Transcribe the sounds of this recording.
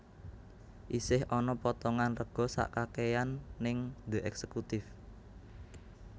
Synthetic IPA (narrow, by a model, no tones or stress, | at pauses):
ʔisɪhʔɔnɔpɔt̪ɔŋanrəɡ̥ɔ̤sa̰ʔkakejanːɪŋd̪̥eʔɛksəkut̪ɪf